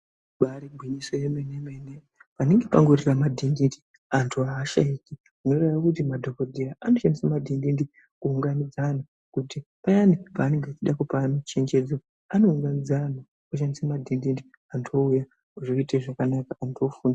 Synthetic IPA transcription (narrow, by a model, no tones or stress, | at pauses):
ɓaɾiɡʱwiɲisojemenemene | paneŋɡepaŋɡoriramadʱindindi | antʰuaːʃaiki | uno̞reʋakut̬imadʱo̞kodʱiaano̞ʃandisamadʱindindi | kuːŋɡanid͡zana | kutipajanipaːne̞ŋɡet͡ʃiɗakupanat͡ʃe̞nd͡ʒed͡zo | ano̞uŋɡanid͡zana | kuʃ̬andisemadʱindindi | antʰouja | uʐoiteʐakanakaːntʰofuːnda